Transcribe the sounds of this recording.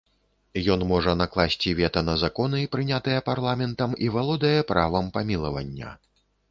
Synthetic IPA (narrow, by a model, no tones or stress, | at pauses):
jɔnmɔʐɐnaklˠasʲt͡sʲivʲɛt̪ɐnɐzakɔnɨipɾɨnʲat̪ɨjɛparlˠamʲɛnt̪ɐmivalˠɔd̪ɐjɐpɾavɐmpamʲilˠɐvɐ̰nʲːɐ̰